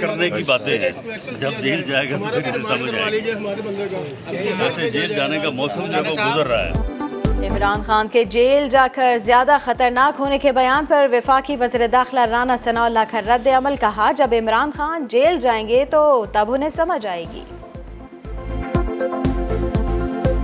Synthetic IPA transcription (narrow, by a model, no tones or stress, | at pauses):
kɐɾnekibaːt̪ẽɦɛ̰̃ːd͡ʒɐb̚d͡ʒeːld͡ʒaːeɡat̪opʰɪɾɪsesɐməd͡ʒd͡ʒa̰ːei | ɛːsed͡ʒeːld͡ʒaːnekamɔːsəmd͡ʒɛkoɡʊzəɾːaa̰ɦɛ̰ːɪmɾaːnxaːnked͡ʒeːld͡ʒaːkɐɾzjaːd̪axɐt̪əɾnaːkɦoːnekebɐjaːnpɐɾʋɪfaːkiʋɐziːɾed̪aːxɪlaɾaːnasɐnaːʊlaːkʰɐɾːɐd̪ːeɐməlkɐɦad͡ʒɐbɪmɾaːnxaːnd͡ʒeːld͡ʒaːẽːɡet̪ot̪ɐbʱʊnesɐməd͡ʒd͡ʒaːeːɡḭː